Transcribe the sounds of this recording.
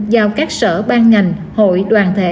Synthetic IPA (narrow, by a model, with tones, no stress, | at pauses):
zaː˨˩wkaː˦˥k̚sə̰ː˧˩ɓaː˧nŋa˨˩jŋ̟ | ho̰˧˨jɗwaː˨˩nt̪ʰḛ˧˦